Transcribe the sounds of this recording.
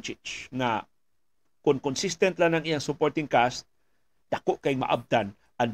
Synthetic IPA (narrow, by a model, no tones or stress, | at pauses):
t͡ʃɪt͡ʃŋa̰ | kʊnkʊnsist̪ɛnt̪lanaŋʔijaŋsʊpoɾt̪ɪŋkast̪̚ | d̪̥akoʔkaɪŋma̰ʔa̰b̚d̪an | ʔan